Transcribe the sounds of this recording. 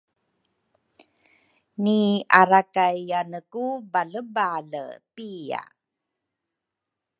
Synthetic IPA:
niaɾakajanəkubaləbalə̰pia̰

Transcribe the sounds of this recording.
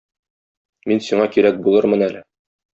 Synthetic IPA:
minsiɴɑkiɾæk̚bulˠɤɾmɤnælɘ

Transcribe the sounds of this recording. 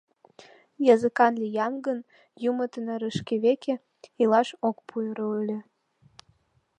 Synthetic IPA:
jɑzɨəkɑnlʲijɑnɡən | jumət̪ənɤɾəʃkeβekʰe | ilɑʃokpʰujɾoylʲĕ

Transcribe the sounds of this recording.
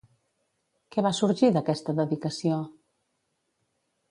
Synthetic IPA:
kɛβasuɾʒiðəkɛst̪əðəðikəsio

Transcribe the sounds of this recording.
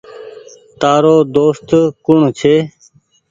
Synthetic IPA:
t̪aːɾoːd̪oːst̪kʊɳt͡ʃʰeː

